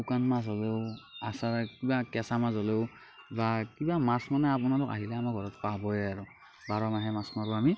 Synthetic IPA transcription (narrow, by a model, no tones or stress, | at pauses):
ukanmas̬ɦɔleʊasaɹkibakɛsamasɔleʊ | bakibamasmanɛapʊnalʊka̰ɦilɛamaɡʱɔɹɔtpabɔjaɹʊ | baɹɔmaɦɛmasmaɹuami